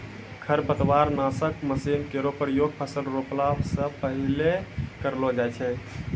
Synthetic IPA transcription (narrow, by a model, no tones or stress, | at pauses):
kʰəɾbət̪waɾnasəkməsinkeɾopəɾjoɡ̚pʰəsəlɾoplabsə̃pəɦilekəɾlɔd͡ʒajt͡ʃʰɛ